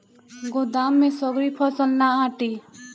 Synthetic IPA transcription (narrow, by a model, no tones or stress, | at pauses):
ɡod̪aːmːẽsɔɡɾipʰɔsəlnaãːʈi